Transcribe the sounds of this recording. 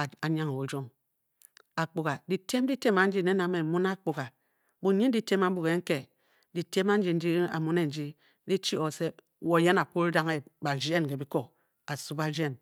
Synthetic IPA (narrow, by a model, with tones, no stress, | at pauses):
a˨ɲa˦ŋ˨wo˨d͡ʒo˦ŋ | a˨k͡pu˨ɣa˨di˨te˦m˦di˦te˦ma˨n̩˦d͡ʒi˦ne˦na˨me˨mu˦na˦k͡pu˨ka˨ | bu˨ɲi˦n̩˦i˦te˦ma˦m̩˦bu˨ɣe˨ŋ̩˦ke˨ | di˨te˦ma˦n̩˦d͡ʒi˨n̩˦di˦a̰˨mu˦ne˦n̩˨˦d͡ʒi˦ | di˦t͡ʃi˦o˨se˦ | wo˦˨je˦na˨pu˦ɾi˦da˦ŋe˦ba˨d͡ʒe˦n˨ke˨bi˦ko˦ | a˨su˦ba˦d͡ʒe˦n